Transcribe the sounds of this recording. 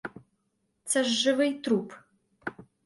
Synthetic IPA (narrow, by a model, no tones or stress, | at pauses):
t͡sʰɐʒːɨvɐjtʰruːpʰ